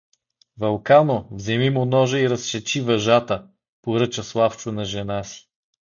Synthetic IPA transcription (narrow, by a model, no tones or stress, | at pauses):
vɐlˠkanovzɛmimʊnɔʒəiɾɐsʃɛt͡ʃivɐʒat̪ə | poɾɤt͡ʃɐslˠaft͡ʃʊnɐʒɛnasi̥